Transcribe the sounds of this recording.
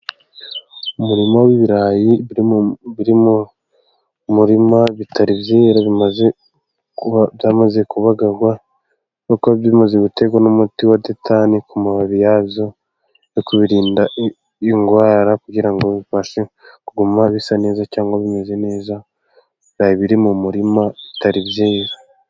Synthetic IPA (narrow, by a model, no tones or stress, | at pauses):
umuɾimawiβiɾaji | βiɾimu | muɾimaβitʰaɾibjeːɾaβimaze | βjaːmaze̞kuβaɡaɡwa | kokoβimazeɡute̞ɡwanomutiwadetʰanikumaβaβijaβjo̞ | jokuβiɾiːndaʔ | iŋɡwaːɾakuɟiɾaŋɡoβifaʃe | kuɡumaβisane̞ːzacaːŋɡaβimazene̞ːza | ɾajiβiɾimumuɾimaβitaɾibjiːɾa